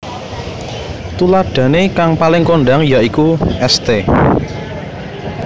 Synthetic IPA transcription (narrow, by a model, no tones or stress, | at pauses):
t̪ulaɖ̥ä̤nekaŋpalɪŋkoɳɖaŋjaʔikuɛst̪e